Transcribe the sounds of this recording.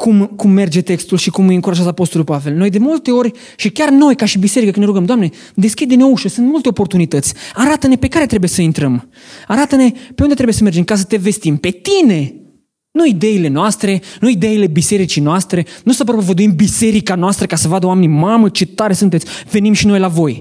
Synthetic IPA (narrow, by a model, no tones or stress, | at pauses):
kumkumːe̞rd͡ʒe̞t̪e̞kst̪ulʃikumujɨŋkuɾaʒat̪əapo̞st̪olulpave̞lno̞jd̪e̞mult̪e̞o̞ɾʲ | ʃikʲarno̞jkaʃibiseɾikəkɨnɾuɡəmd̪oamne̞ | d̪e̞skʲid̪d̪inouʃəsɨnt̪mult̪eopo̞rt̪unit̪ət̪sʲaɾat̪əne̞pe̞kaɾe̞t̪ɾe̞buje̞səint̪ɾəm | aɾat̪əne̞pe̞und̪t̪ɾeujesəmerd͡ʒe̞mkas̬ə̥t̪e̞ve̞st̪impe̞t̪ine̞ | nuid̪e̞ile̞noast̪ɾe̞nuid̪e̞ile̞bise̞ɾit͡ʃijnoast̪ɾe̞nusəp̬ɾopovəd̪uimbise̞ɾikanoast̪ɾəkasəvad̪əowame̞nimamət͡ʃe̞t̪aɾesunt̪et̪sʲve̞nimʃino̞jlavo̞j